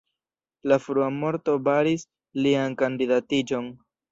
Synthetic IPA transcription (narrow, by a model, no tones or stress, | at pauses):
lafɾuamo̞ɾto̞baɾis | liankandidatid͡ʒo̞n